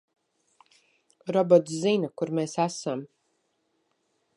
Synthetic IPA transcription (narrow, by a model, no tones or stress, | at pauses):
ɾɔbɔt̪szinakuɾmeːsæsam